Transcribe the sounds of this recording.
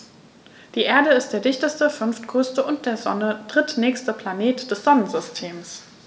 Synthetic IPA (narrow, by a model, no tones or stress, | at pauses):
d̥iːʔeːɐdəɪstd̥eːɐdɪçtəstəfʏnftkʰʏstəʔʊnt̚d̥eːɐzɔ̰nəd̥ʁɪtnɛːçstəpʰl̥aneːtd̥ɛsz̥ɔnənzʏstʰeːms